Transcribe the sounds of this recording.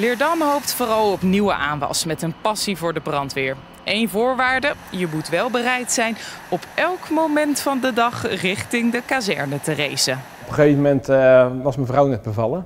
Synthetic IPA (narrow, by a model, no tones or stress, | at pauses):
lɪːɹdɑmɦowp̚tfʊːrɑlˠɔpniwəʔaːnʋɑ̰smɛtənpɑsivʊːɹdəbrɑntʋɪːɹ | ʔejnvʊːɹʋaːɹdəjəmutʋɛlˠbərɛjtsɛjn | ɔpɛlˠkmowmɛntfɑndədɑχrɪχtɪŋdəkazɛ̰ɹnətərejzə | ɔpχejvəmɛntʋɑsməvrawnɛt̚bəvɑlˠə